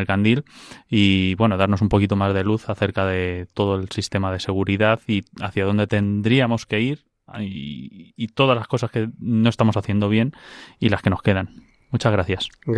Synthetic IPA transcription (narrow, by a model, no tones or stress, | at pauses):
elkand̪iliβwe̞no̞ðaɾno̞sumpo̞kit̪o̞mazðe̞luθaθe̞ɾkaðe̞t̪o̞ð̞o̞e̞lsist̪e̞maðe̞se̞ɣ̞uɾiðaθia̰θjað̞o̞nd̪e̞t̪e̞nd̪ɾiamo̞ske̞iɾ | t̪o̞ðazlasko̞saske̞no̞est̪amo̞saθjend̪o̞β̞je̞nilaske̞no̞ske̞ðan | mut͡ʃazɣɾaθjas